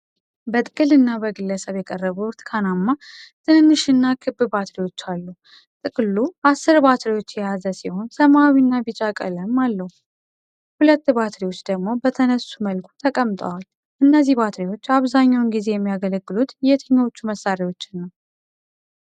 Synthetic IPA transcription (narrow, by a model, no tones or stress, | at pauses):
bət̪ʼɨkʼɨlɨnːabəɡɨlːəsəβjɛkʼərːəβut̪kʰanamːat̪ʰɨnɨnːɨʃɨnːakʰɨbːɨbat̪ɾiwo̞t͡ʃːalːu | t̪ʼɨkʼluasːɨɾbat̪ɾiwot͡ʃːjɛjazəsiho̞nsəmawinːabit͡ʃʼakʼə̰ləmalːəhu | hulət̪ːbat̪ɾiwo̞t͡ʃːd̪əɡmo̞bət̪ʰənəsːuməlkʰu̥t̪ʰəkʼəmt̪ʼə̰wal | ʔɨnːəzːihbat̪ɾiwo̞t͡ʃːaβzaɲːawnɡize̞jɛmːijaɡələɡːɨlut̪jɛt̪ʰəɲːawot͡ʃːuməsːaɾewo̞t͡ʃːɪnːəw